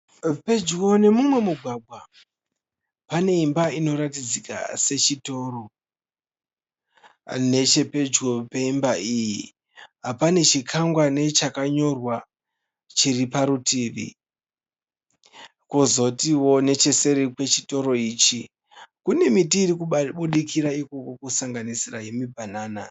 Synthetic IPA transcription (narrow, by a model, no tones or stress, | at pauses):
pe̞d͡ʒkone̞mumwe̞muɡʱwaɡʱwa | pane̞imbaino̞ɾatid͡zika̰se̞t͡ʃito̞ːɾo̞ | ne̞t͡ʃe̞pe̞d͡ʒɡopeimbaiji | ɦapane̞t͡ʃikʰaŋɡwane̞t͡ʃakaɲo̞rwa | t͡ʃiripaɾutiʋḭ | kuzo̞tiwo̞ne̞t͡ʃe̞se̞ɾikwe̞t͡ʃito̞ɾo̞iːt͡ʃi | kune̞mitiːɾikuɓuɗikiɾaiko̞ko̞kusaŋɡanisiraje̞mibʱanaːna